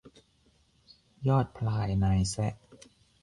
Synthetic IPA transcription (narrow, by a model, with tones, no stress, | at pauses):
jɔː˥˩t̪̚pʰlaː˧˩jnaː˧jsɛ˦˥ʔ